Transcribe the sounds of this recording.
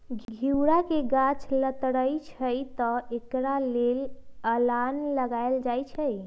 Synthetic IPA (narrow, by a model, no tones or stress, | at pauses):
ɡʱɡʱiwɾakeɡat͡ʃlət̪ɽəjt͡ʃʰəjt̪ɔekɾaleləlanləɡaeld͡ʒajt͡ʃʰəj